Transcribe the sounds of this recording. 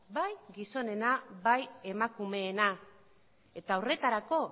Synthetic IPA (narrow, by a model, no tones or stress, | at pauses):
bajɡiso̞ne̞naβaje̞makume̞ːna | e̞t̪aore̞t̪aɾako̞